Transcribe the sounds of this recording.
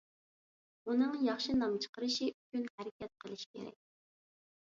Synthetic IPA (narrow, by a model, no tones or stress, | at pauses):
unɨŋjɑχʃinɑmt͡ʃʰə̥qəɾɨʃiʔykʲynhæɾɪkʲʰɛt̪̚qʰəlˠɨʃkʲʰḛɾɛ̰k̚ʲ